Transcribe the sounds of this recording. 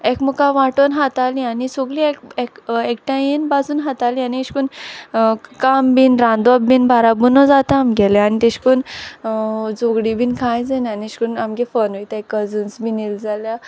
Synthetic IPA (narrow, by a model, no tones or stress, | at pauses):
ekmukaʋaʈonɦat̪alĩanisoɡɭiekekekʈajenbasunɦat̪alianieʃkun | kambinɾãnd̪abbinbʱaɾabunɔd͡zat̪aamɡɛleanit̪eɕkun | d͡zoɡɽibinkʰãjd͡zenaniʃkunamɡefənojt̪aekːəd͡zunsbʱinild͡zalja